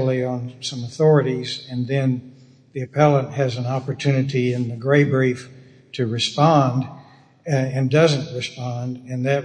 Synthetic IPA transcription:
l̩ˠiə̃nsʌ̃məθɔɹɨɾizɨ̃nðɨ̃n | ðiɨpʰɛlˠə̃nʔhɨzɨ̃nɑpə˞tʰʉnɨɾiɪ̃nðɨɡɹeɪbɹif | tʰɨɹɨspɑ̃nd | ɨ̃ndʌzɨ̃nʔɹɨspɑ̃ndɨ̃nðɨt̚

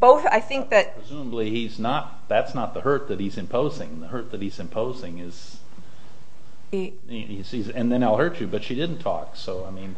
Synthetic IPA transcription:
b̥oʊθa̰ɪθɪ̃ŋkk̚ðɨt̚ɹ̥ɨzũməblihiznət̪̚ðætsnət̪̚ðəhɜ˞t̪̚ðɨt̚hizɨ̃mpʰoʊzɪ̃ŋðəhɜ˞t̪̚ðɨt̚hizɨ̃mpʰoʊzɪ̃ŋɪz̥ | iz̥izɨ̃nðɨ̃naɪlˠɦɜ˞t͡ʃɨbʌtʃidɪdⁿn̩tʰɔ̰ksoʊaɪmĩn

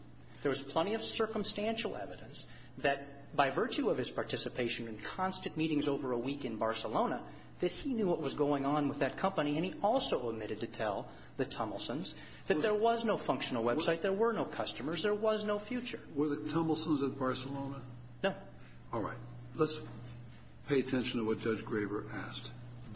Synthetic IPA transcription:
ðə˞wʌz̥pʰl̥ɛ̃ɾ̃iʌv̥sɜ˞km̩stæ̃nʃl̩ˠɛ̰vɨɾɨ̰̃ns | ðɨt̚ | b̥aɪvɜ˞t͡ʃʉʌv̥ɨz̥pʰɑɹtʰɪsɨpʰeɪʃɨ̃nɨ̃nkʰɑ̃nstɨ̃nmiɾɪ̃ŋzoʊvə˞əwikɨ̃nbɑɹsəlõʊ̃nə | ðɨt̚hinjuwʌt̚wʌzɡoʊɪ̃ŋə̃nwəðɨt̚kʰʌ̃mpɨniɨ̃niʔɔlˠsoʊəb̚mɪɾɨd̚tɨtʰɛlˠ | ðɨtʰʌ̃ml̩ˠsə̃nz | ðɨt̪̚ðə˞wʌznoʊfʌ̃ŋkʃn̩l̩ˠwɛb̥saɪt̪̚ðə˞wə˞noʊkʰʌstəmə˞zðə˞wʌznoʊfjʉt͡ʃə˞wə˞ðɨtʰʌ̃ml̩ˠsə̃n̩zɨt̚b̥ɑɹsəlõʊ̃nə | noʊ | ɔlˠɹa̰ɪt̚ | ləts | pʰeɪɨtʰɛ̃nʃn̩tʰəwʌt̚d̥ʒ̥ʌd͡ʒɡɹeɪvə˞ʔæ̰st

